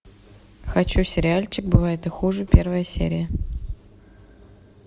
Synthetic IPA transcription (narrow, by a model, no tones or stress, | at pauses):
xɐt͡ɕusʲɪɾʲɪalʲt͡ɕɪk̚bɨvajɪt̪ɨxuʐɨpʲervəjəsʲḛɾʲɪjə